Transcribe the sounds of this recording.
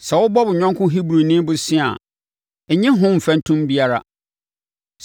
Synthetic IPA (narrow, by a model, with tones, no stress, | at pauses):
sɛ˨wʊ˦bɔ˦bʊ˨ɲᶣã˦ŋkʰʊ̃˦ɦi˦bɾu˨nĩ˦bʊ˦sĩ˦a̰˨ | ɛ˨ɲɪ̃˦ɦʊ̃˦m̩˨fæ̃˨n˦tʰũ˦mbi˦a˦ɾa̰˦